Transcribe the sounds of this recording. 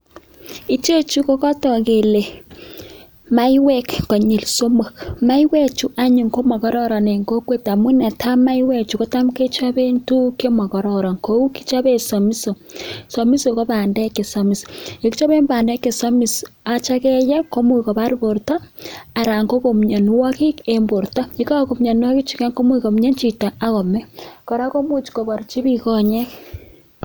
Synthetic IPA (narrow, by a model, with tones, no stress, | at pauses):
i˦t͡ʃe˦t͡ʃu˦ko˦kɔ˦tɔ˨ke˨le˨ | ma˦iwɛ˦kːɔ˨ɲi˨lso˦mo˨kma˦i˦wɛ˦t͡ʃu˦ʔa˦ɲu˨ŋko˦mɔ˨ɣɔ˦ɾɔ˦ɾɔ˨ne˨ŋɡo˦kwe˦ta˨mu˦nɛ˨tʰa˦ma˦i˦wɛ˦t͡ʃu˨ko˦ta˦mke˦t͡ʃa˦βe˦ntu˦ke˦mɔ˨ɣɔ˨ɾɔ˨ɾɔ˨ŋko˦u˦ki̥˦t͡ʃa˦βe˦sɔ˨mi˦so˨so˨mi˦soɣo˦βa˨nde˦ke˨samise˨ki˦t͡ʃa˦βe˦mbaː˨nde˦ke˨sa˦mi˨s | a˨t͡ʃa˦ɣe˦je˦ko˦mo˦i˨ɣo˨βa˦ɾi˦βo˨ɾta˦a˨ɾa˨ŋɡo˦ɣo˨mɲa˨n˦wa˦ki˦e˦mbo˨ɾuta˦i˦ka˦ko˨mɲa˨nwa˦ɣi˦t͡ʃi˨ka˦ŋko˦mo˦iɣo˨m˦ɲe˦ɲt͡ʃi˨ta˨a˦ɣo˨me˦ko˨ɾa˦ko˦mo˦t͡ʃi̥ko˨βa˨ɾi˨t͡ʃi˦βi˦ɣo˦ɲe˦